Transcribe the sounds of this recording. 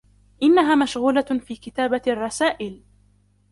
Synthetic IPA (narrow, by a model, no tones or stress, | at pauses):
ʔɪnːaɦaːmaʃɣuːlafiːkɪt̪aːbaɑrˤːɑsaːʔɪl